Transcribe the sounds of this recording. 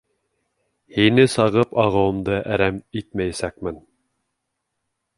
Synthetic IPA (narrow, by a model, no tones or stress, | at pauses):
hinɘsɑʁɤpɑʁɤ̆wɤ̆md̪ɤʔæɾæmit̪̚mæjæsæk̚mɘn